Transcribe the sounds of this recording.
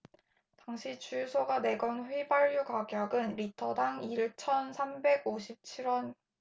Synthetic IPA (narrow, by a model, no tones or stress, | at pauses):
taŋɕʰit͡ɕujsʰoɡane̞ɡʌnɸɥibaʎːjukaɡjʌɡɯnɾitʰʌdaŋiɭt͡ɕʰʌnsʰambe̞ɡoɕʰip̚t͡ɕʰiɾwʌn